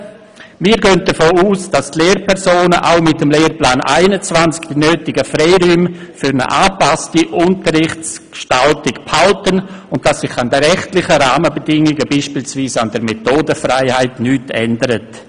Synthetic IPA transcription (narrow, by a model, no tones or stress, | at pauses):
miːɾɡøːnt̚d̥əfoːuːsd̥astleːɾpʰɛɾsoːnəʔa̰ʊmɪtəmleːrplaːnʔa̰ɪnət͡svant͡skd̥inøːtɪɡəfɾɛɪɾyːmfʏɾnə̰ʔaːpastiʔʊntəɾɪχt͡skʃtaltɪkphaltənʊntd̥asɪχandəɾɛχtlɪχəɾaːməbədɪŋɪɡəbiːʃpiːlsviːsand̥əɾmetoːdəfɾaɪhaɪtnyːtʰɛndəɾət